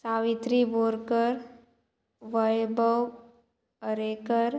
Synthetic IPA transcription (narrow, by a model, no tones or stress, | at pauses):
saːʋɪt̪ɾiboɾkəɾ | ʋəjbəw | əɾeːkəɾ